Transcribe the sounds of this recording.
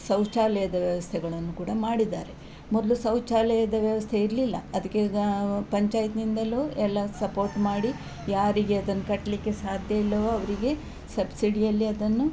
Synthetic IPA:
sɐwt͡ʃaːlɛjɐd̪ɐʋjɐʋɐst̪ʰɛɡɐɭɐnːukuːɽɐmaːɽid̪aːɾe̞ | mɔd̪lusɐwt͡ʃaːlɛjɐd̪ɐʋjɐʋɐst̪ʰeiɾlilːɐ̰ɐd̪ɐkːepɐɲt͡ʃaːjit̪nind̪ɐloːɛlːɐsɐpoːɾʈmaːɽi | jaːɾiɡe̞ɐd̪ɐnːukɐʈːɐlikːe̞saːd̪ʱjɐilːɐʋoɐʋɐɾiɡe̞ | sɐbsiɖijɐlːiɐd̪ɐnːu

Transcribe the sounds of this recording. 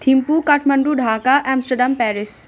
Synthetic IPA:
t̪ʰimpukɐʈʰmɐɳɖuɖʱaːkaʔɛːmsʈɐɾɖampɛːɾis

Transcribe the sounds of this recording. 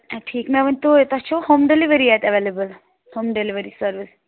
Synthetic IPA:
ʈʰiːkmɛʋənt̪ot̪ɐt͡ʃʰohoːmɖeliʋəɾiɛt̪ɐʋelebəl | hoːmɖeliʋəɾisəɾʋis

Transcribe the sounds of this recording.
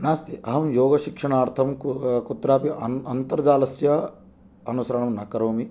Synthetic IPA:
naːst̪iʔɐɦɐmjoːɡɐʃikʂɐɳaːɾt̪ʰɐmkut̪ɾaːpiɐɐnt̪ɐɾɐd͡ʒaːlɐsjɐ | ɐnusɐɾɐɳɐmnɐkɐɾoːmi

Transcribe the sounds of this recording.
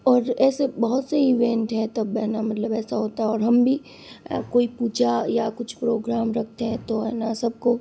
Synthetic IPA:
ɔːɾɛːsebɐɦʊt̪seiʋẽːɳʈɦɛ̃t̪ɐbɛːnamɐt̪ləbɛːsaɦoːt̪aɛɔːɾɦɐmbʱi | koːipuːd͡ʒajakʊt͡ʃʰpɾoːɡɾaːmɾɐk̚ʰt̪eɦɛ̃t̪oɛːnasɐb̚ko

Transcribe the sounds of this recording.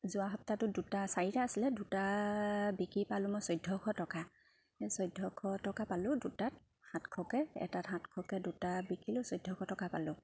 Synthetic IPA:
zʊaɦɔp̚tatʊdutasaɹitaːsilɛduta | bikipalʊ̃mɔjsɔjdʱːɔkʰɔtɔka | sɔjdʱːɔkʰɔtɔkapalʊ̃dutat̚ | hãtkʰɔkɛɛ̰tatɦãtkʰɔkɛdutabikilʊsɔjdʱːɔkʰɔtɔkapalʊ̃

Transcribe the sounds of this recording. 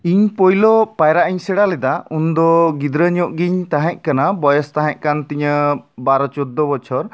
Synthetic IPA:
iɲpɔjlɔpajɾaʔiɲsɛɽalɛd̪aund̪ɔɡid̪ɾəɲɔʔɡiɲt̪aɦɛ̃ʔ̚kanabɔjɔst̪aɦɛ̃ʔ̚ˀkant̪iɲəbaɾɔt͡ʃɔd̪ːɔbɔt͡ʃʰɔɾ

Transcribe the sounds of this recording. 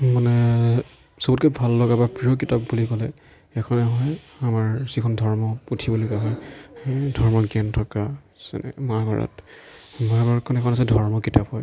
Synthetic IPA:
manɛ | sobut̚kɛbʱalːɔɡabapɹijok̬itapbulikɔlɛ | ɛkʰɔnɛɦɔj | amaɹzikʰɔndʱɔɹmɔutʰibulokaɦɔj | dʱɔɹmɔɡɛntʰɔka | sɛ̰nɛ̰maɹɡʱɔɹɔ̰tmabɔkʰɔnɛkʰɔnas̬ɛdʱɔɹmɔkitapɦɔj

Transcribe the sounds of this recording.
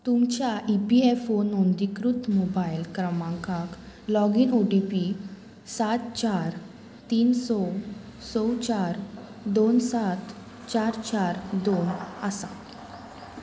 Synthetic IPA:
t̪umt͡ɕjaʔipiefonond̪ikɾut̪mobajlkɾəmãŋkak | lɔɡiːnoʈipi | sat̪t͡ɕaɾ | t̪iːnsɔ | sɔwt͡ɕaɾ | d̪onsat̪ | t͡ɕaɾt͡ɕaɾd̪onəsã̰

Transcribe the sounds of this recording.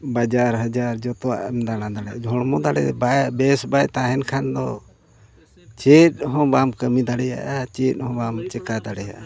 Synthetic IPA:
bad͡ʒaɾɦad͡ʒaɾd͡ʒɔt̪ɔwa̰ʔɛmd̪aɽãd̪aɽɛjad͡ʒʱɔɽ̃mɔd̪aɽɛ̰bajbɛsbajt̪aɦɛnkʰand̪ɔ̰ | t͡ʃɛt̪̚ˀɦɔ̃bamkəmid̪aɽɛja̰ʔat͡ʃɛt̪̚ˀhɔ̃bamt͡ʃɛkad̪aɽɛja̰ʔa

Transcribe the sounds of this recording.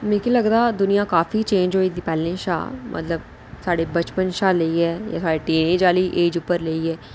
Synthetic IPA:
mẽkeləɡd̪ad̪ʊnijãkaːfit͡ʃẽːɲd͡ʒɦoːid̪ipɛːlẽʃa̰ːmʔɐ̰t̪ləb | saːɽebət͡ʃpənʃaːleːiɦɛːja̰ːsaːɽeʈeːnẽːd͡ʒaːliʔeːd͡ʒʊpːəɾleːiɦɛː

